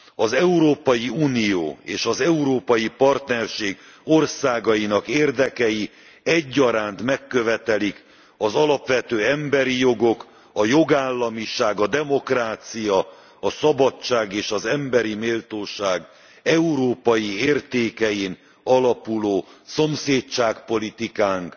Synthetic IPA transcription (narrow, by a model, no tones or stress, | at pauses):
ɒzɛuɾoːpɒjiuːnijo̰ːeːʃɒzɛuɾoːpɒjipɒrt̪nɛrʃeːɡ | o̞rsaːɡɒjinɒkeːrd̪ɛkɛji | ɛɟːɒɾaːnt̪mɛkːø̞vɛt̪ɛlik | ɒzɒlɒpʋɛt̪øːɛmbɛɾijo̞ɡo̞k | ɒjo̞ɡaːlːɒmiʃaːɡɒd̪ɛmo̞kraːt̪sijɒ | ɒsɒbɒt͡ʃːaːɡeːʃɒzɛmbɛɾimeːlt̪oːʃaːɡ | ɛuɾoːpɒjieːrt̪eːkɛjin | ɒlɒpuloːso̞mseːt͡ʃaːkpo̞lit̪ikaːŋk